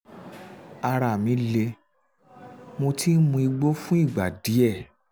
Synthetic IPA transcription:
a˧ɾa˨mĩ˨˦le˧ | mo˧tʰi˦mũ˧i˧ɡ͡bo˦fũ˦i˦˨ɡ͡ba˨di˨˦ɛ˦˨

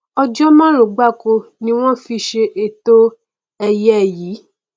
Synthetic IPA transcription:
ɔ˧d͡ʒɔ˦mã˦lo˨ɡ͡ba˦˨ko˧nĩ˧˦w̃ɔ̃˦fi˧ʃe˧ʔe˨t̪o˦ | ɛ˨jɛ˦˨ji˨˦

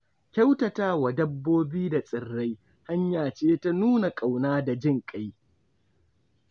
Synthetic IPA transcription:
kʲa˦wtɐ˨taː˦wa˨dɐ˦bːoː˦biː˦da˨sʼɪ˨rːa˦j | ha˦ɲjaː˨t͡ʃeː˦ta˦nuː˦na˨kʼa˨wnaː˦da˨d͡ʒɪ˦ŋkʼa˦j

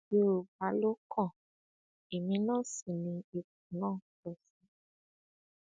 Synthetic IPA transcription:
e˦o˨ba˨˦lo˦kʰɔ̃˦˨ | e˨mĩ˧˦nã˦˨si˨nĩ˧e˧k̚ũ˨nãː˦˨tɛ˨sĩ˨˦

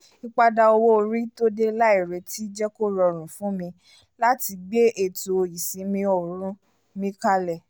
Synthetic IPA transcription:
i˧k͡pa˧da˧o˧wo˦˧ɾi˦to˦de˦la˦i˦˨ɾe˨ti˦d͡ʒɛ˦ko˦ɾɔ˧ɾ̃ũ˨fũ˨˦mĩ˧ | la˦ti˧ɡ͡be˦ʔe˦˨to˨o˨ji˨sĩ˨˦mĩ˧o˨ɾũ˨˦ | mĩ˦ka˧lɛ˦˨

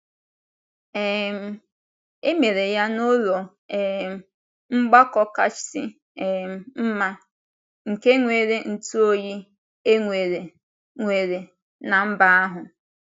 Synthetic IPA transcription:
e˨m̩˨ | e˦me˨ɾe˨ja˦nʊ˦lɔ˨ | e˨ | ŋ͡m̩˦ɡ͡ba˦kɔ˦ka˦t͡ʃsɪ˦˨ | m̩˦ma˦ | ŋ̩˨ke˦ŋʷe˨ɾe˦n̩˨tu˦o˦ji˦ | e˦ŋʷe˨ɾe˨ | ŋʷe˨ɾe˨ | na˨m̩˦ba˦a˦ɦʊ˨

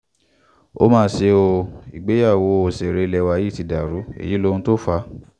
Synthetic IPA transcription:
o̰˦mãː˦se˧˦o˧ḭ˨ɡ͡be˨˦ja˦˨wo˨˧˦o˧˨se˨ɾe˧lɛ˧wa˧ji˦˨ti˧da˨ɾu˨˦ḛ˨ji˨˦lo˧ũ˦to˦fa˧˦

